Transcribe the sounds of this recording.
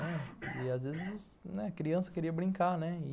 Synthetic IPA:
ɛɪazvezɪzs | nɛkɾiɐ̃sɐ̥keɾiɐbɾĩŋkaɾnɛɪ

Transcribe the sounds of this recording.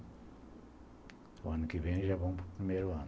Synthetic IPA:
wanukiveniʒaβom̃pu̥pɾimeɾuan

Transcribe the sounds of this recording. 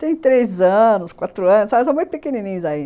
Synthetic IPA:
t̪ẽj̃t̪ɾezɐ̃nʊskwat̪ɾʊɐ̃nʊsasɐ̃mũj̃t̪ʊpekenĩnĩɲʊzaĩ

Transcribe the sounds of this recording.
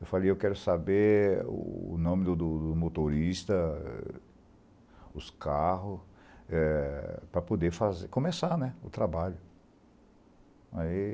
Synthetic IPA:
ewfalejewkɛɾʊsabeɾʊ̰nõmɪd̪ʊd̪ʊd̪ʊmot̪oɾist̪ɐɛ̰ | ʊskaɦʊs | ɛpɾɐpod̪efazekõmesanɛʊt̪ɾabaʎʊ | ai

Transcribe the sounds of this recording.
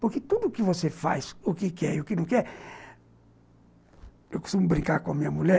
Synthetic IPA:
pʊɾkɪt̪ud̪ʊːkɪvosefa̰jzʊkɪkɛɾiʊkɪnɐ̃w̃kɛɾ | ewku̥st̪umʊbɾĩkaɾkõɐmĩɲɐmuʎɛ

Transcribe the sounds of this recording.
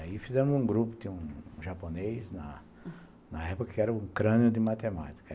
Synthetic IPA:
aifizẽmʊzũɡɾupʊ̥t̪ĩɲũʒaponejsnɐ | nɐɛpʊkɐkɪɛɾɐũkɾɐ̃nʊd̪ɪmat̪emat̪i̥kɐ

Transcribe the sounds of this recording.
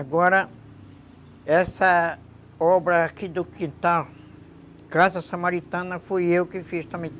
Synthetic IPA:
aɡɔɾɐ | ɛsɐ | ɔbɾɐːkid̪ʊkĩnt̪al | kazɐsamaɾit̪ɐ̃nɐfujewkɪfiʃt̪ɐ̃mĩ

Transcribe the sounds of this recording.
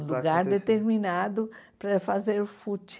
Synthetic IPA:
luɡaɾd̪et̪eɾminad̪ʊpɾɐfazeɾfut͡ʃ

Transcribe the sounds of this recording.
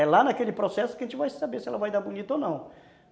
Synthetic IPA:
ɛlanakelɪpɾosɛsʊ̥kɪɐʒẽt͡ʃɪvajsabesɪɛlɐvajd̪aɾbunit̪ownɐ̃w̃

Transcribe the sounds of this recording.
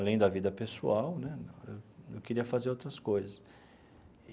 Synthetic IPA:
lẽj̃d̪ɐvid̪ɐpesṵawnɛñewewkeɾiɐfazeɾowt̪ɾɐskojzɐs

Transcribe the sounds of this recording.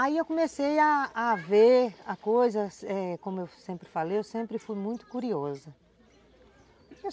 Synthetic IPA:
aiewkõmesejaːveɾakojzɐsɛkõmʊewsẽmpɾɪfalejewsẽmpɾɪfujmũj̃t̪ʊ̥kuɾiɔzɐ | k

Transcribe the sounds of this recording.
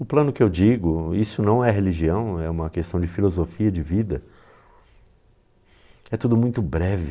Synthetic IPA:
ʊplɐ̃nʊkɪewd͡ʒiɡʊisʊnɐ̃w̃ɛɦeliʒiɐ̃w̃ɛũmɐkest̪ɐ̃w̃d͡ʒɪfilozofiɐd͡ʒɪvid̪ɐ | ɛt̪ud̪ʊmũj̃t̪ʊbɾɛvɪ

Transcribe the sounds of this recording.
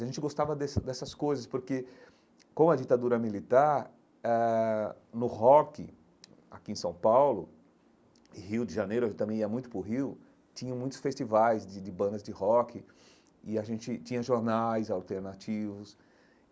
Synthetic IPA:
zɐʒẽnt͡ʃɪɡost̪avɐd̪ɛsɐd̪ɛsɐskojzɐspoɾke | kõɐd͡ʒit̪ad̪uɾɐmilit̪aɾ | ɛ | nʊhɔkɪ̰ | a̰kiẽsɐ̃w̃pawlʊ | ɪhiwd͡ʒɪʒɐnejɾʊɐʒẽt͡ʃɪt̪ɐ̃mẽj̃iɐmũj̃t̪ʊpɾʊɦiw | t͡ʃĩɲɐ̃mũj̃t̪ʊsfest͡ʃivajzd͡ʒɪd͡ʒɪbɐ̃nd̪ɐzd͡ʒɪhɔkɪ | ɪaʒẽnt͡ʃɪt͡ʃĩɲɐʒoɾnajzawt̪eɾnat͡ʃivʊs

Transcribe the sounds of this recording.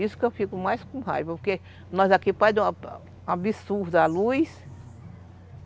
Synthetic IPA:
isʊ̥kewfikʊmajskõha̰jvɐpoɾke | nɔzakipad̪ẽ | abisuɾd̪alujs

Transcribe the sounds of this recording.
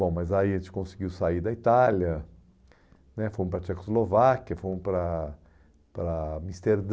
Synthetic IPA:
bõmɐzaiɐʒẽt͡ʃɪ̥kõsiɡiwsaiɾd̪ɐit̪alɐ | nɛfoɾmʊ̃pɾɐt͡ʃɛkozlovakiɐfoɾmʊ̃pɾɐ | pɾɐmist̪eɾd̪

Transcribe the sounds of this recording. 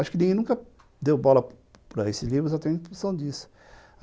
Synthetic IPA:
aʃʊ̥kɪnĩɡẽj̃nũŋkɐ | d̪ewbɔlɐ | pɾɐesɪzlivɾʊzawt̪ẽĩfũsɐ̃w̃d͡ʒisʊ̥

